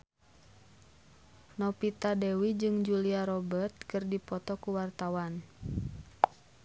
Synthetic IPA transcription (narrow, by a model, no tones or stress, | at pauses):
nɔpit̪adɛwid͡ʒɨŋd͡ʒuliaɾɔbərt̪̚kɨrdipɔt̪ɔkuwart̪awan